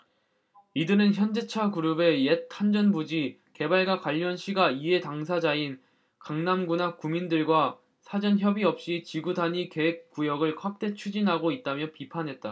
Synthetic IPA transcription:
idɯɾɯnçjʌnd͡ʑet͡ɕʰakuɾube̞jetʰand͡ʑʌnbud͡ʑi | ke̞baɭɡwakwaʎːʌnɕʰiɡaiɦe̞taŋsʰad͡ʑain | kaŋnamɡunakumindɯɭɡwa | sʰad͡ʑʌnçjʌbiʌp̚ɕ͈it͡ɕiɡudaɲike̞ɦek̚k͈ujʌɡɯɭkʰwak̚t͈e̞t͡ɕʰud͡ʑinɦaɡoit̚t͈amjʌpipʰanɦe̞t̚t͈a

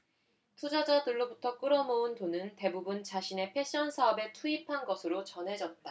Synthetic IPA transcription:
tʰud͡ʑʌd͡ʑadɯɭːobutʰʌk͈ɯɾʌmountonɯnte̞bubunt͡ɕaɕʰine̞pʰe̞ɕ͈ʌnsʰaʌbe̞tʰuipʰanɡʌsʰɯɾot͡ɕʌnɦe̞d͡ʑʌt̚t͈a

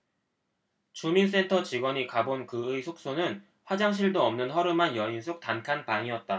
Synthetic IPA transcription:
t͡ɕumins͈e̞ntʰʌt͡ɕiɡwʌɲikabonkɯɯisʰok̚s͈ʰonɯn | ɸwad͡ʑaŋɕ̬ʰiɭdoʌmnɯnɦʌɾɯmanjʌinsʰok̚tankʰanpaŋiʌt̚t͈a

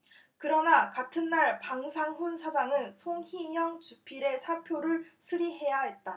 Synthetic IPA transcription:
kɯɾʌnakatʰɯnːaɭpaŋsʰaŋɦunsʰad͡ʑaŋɯnsʰoŋhiɲjʌŋt͡ɕupʰiɾe̞sʰaɭpʰjoɾɯɭsʰɯɾiɦe̞jaɦe̞t̚t͈a

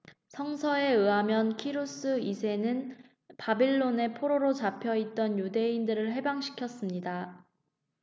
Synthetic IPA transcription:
sʰʌŋsʰʌe̞ɯamjʌnkʰiɾos͈ɯisʰe̞nɯn | pabiɭːone̞pʰoɾoɾot͡ɕapʰjʌit̚t͈ʌnjude̞indɯɾɯɭɦe̞baŋɕʰi̥kʰjʌs͈ɯmɲida

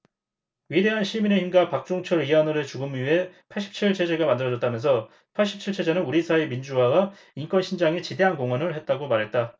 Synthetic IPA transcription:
ɥide̞ɦanɕʰimine̞çimɡapak̚t͡ɕ͈oŋt͡ɕʰʌɾianɯɾɯt͡ɕuɡɯmɥie̞pʰaɭɕ͈ʰi̥p̚t͡ɕʰiɭt͡ɕʰed͡ʑe̞ɡamandɯɾʌd͡ʑʌt͈amjʌnsʰʌ | pʰaɭɕ̬͈ʰi̥p̚t͡ɕʰiɭt͡ɕʰe̞d͡ʑenɯnuɾisʰaemind͡ʑuɦaɡa | ink͈wʌnɕʰind͡ʑaŋet͡ɕide̞ɦankoŋwʌnɯɭhe̞t̚t͈aɡomaɾɦe̞t̚t͈a

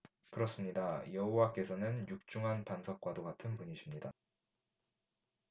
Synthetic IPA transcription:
kɯɾʌs͈ɯmɲidajʌɦowak͈e̞sʰʌnɯnjuk̚t͡ɕ͈uŋɦanpansʰʌp̚k͈wadoɡatʰɯnpuɲiɕʰimɲida

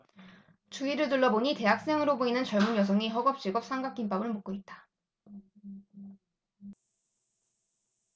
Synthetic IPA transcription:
t͡ɕuiɾɯɭtuɭːʌboɲite̞ɦak̚s͈e̞ŋɯɾoboinɯnt͡ɕʌɭmuɲjʌs̬ʰʌŋiɦʌɡʌp̚t͡ɕ͈iɡʌp̚s͈ʰaŋɡak͈inp͈abɯɭmok͈̚oit̚t͈ḁ

